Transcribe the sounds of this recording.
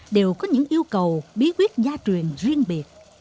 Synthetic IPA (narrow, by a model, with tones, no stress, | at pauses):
ɗe˨˩wkɔ˨˦ɲɨ̰˧˥ŋʔi˧əwkə˨˩wɓi˨˦kwi˦˥ət̚zaː˧t͡ɕwi˨˩ənzwi˧əŋɓi˨˩ət̚